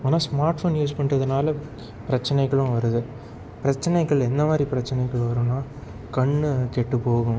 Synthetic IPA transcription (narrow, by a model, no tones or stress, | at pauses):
aːnːaːsmaːɾʈfoːnjuːspɐɳɾɐðɯnaːlɐ | pɪɾɐt͡ʃːɐnɛɪɣɐɭʊ̃ʋɐɾɯðɯ | pɪɾɐt͡ʃːɐnɛɪɣɐɭɛnd̪ɐmaːd̪ɾipɪɾɐt͡ʃːɐnɐɪɣɐɭ̃ʋɐɾʊ̃ːnːaː | kɐɳːkeʈːɯpːoːɣʊ̃